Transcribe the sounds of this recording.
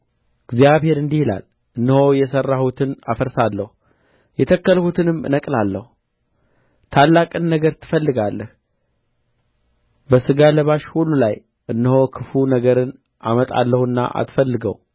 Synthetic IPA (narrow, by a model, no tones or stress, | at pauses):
ɨɡzijaβhe̞ɾɨnd̪ihila̰l | ʔɨnːɨho̞jɛsərːahut̪ʰɨnafəɾsalːəhu | jɛt̪ʰəkːəlhut̪ʰɨnɨmːɨ̰nəkʼlalːəhu | t̪ʰalːakʼɨnːəɡəɾt̪ʰɨ̥fəlːɨɡalːəh | bəsɨɡaləβaʃhulːulaj | ʔɨnːɨho̞kʰɨfunəɡəɾɨn | ʔa̰mət̪ʼa̰lːəhɨnːa̰ʔa̰t̪fəlːɨɡə̰w